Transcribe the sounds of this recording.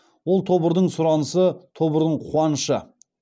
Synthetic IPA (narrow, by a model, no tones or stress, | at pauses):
wo̞lˠt̪ʰo̞bəɾd̪əɴsʊɾɑnəsət̪ʰo̞bəɾd̪əɴqʰuɑnʃə